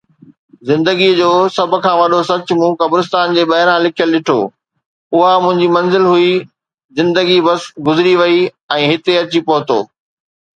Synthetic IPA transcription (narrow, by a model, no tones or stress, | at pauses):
zɪ̃nd̪əɡid͡ʑoːsɐbʱʊ̆kʰãːʋɐɗosɐt͡ɕmũːkɐbɾɪst̪aːnd͡ʑeːɓɐɦɪɾãlɪkʰijəlɗɪʈʰo̰ː | ʊɦamʊ̃ɦɪ̃ɲd͡ʑimɐ̃nzɪlɦui | zɪ̃nd̪əɡibɐsɡʊzɪɾiʋɐi | ɛ̃ːɦɪt̪eɐt͡ɕipɐɦʊt̪o̰ː